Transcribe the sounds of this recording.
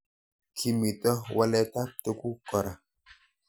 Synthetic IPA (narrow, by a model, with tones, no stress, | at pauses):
kʰi˨mi˨tɔ˦wʔa˦lɛ˦ta˦p̚te˦ku˦kɔ˨ɾa˨